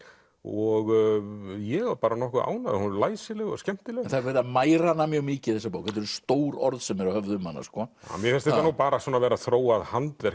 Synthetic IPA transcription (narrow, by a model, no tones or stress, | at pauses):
ɔɣ | jɛɣaɾpaːɾanɔhkʏa̰ːwnaðhunlaːjsɪlɛɣɔɣscɛm̥t̪ɪlɛnθaɾvɛɾðamaːjɾanːamjœːɣmɪːcɪθɛsːapoːwkɛt̪ɛɾst̪oːwɾɔ̰ɾðsɛmɛɾawhœvðʏmhanːa̰skɔ̰ːmjɛɾfɛnst̪ejt̪anuːpaːɾasɔːnavɛːɾaθɾoːwaðhant̪vɛɾ